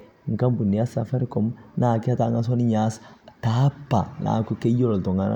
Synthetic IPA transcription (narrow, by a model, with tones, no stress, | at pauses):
ŋ̩˨kã˦mbu˨ni˨ja˦sa˨fa˦ɾi˦kɔ˨m˦naː˨kɛ˦a˦ta˦˨ŋɡa˦s̬ɔ˦ni˦ɲa˨˦sta˨˦pːa˨na̰ː˨ku˦ke˦jɔ˦ɾɔ˨tɔ˨ŋa˦na̰˦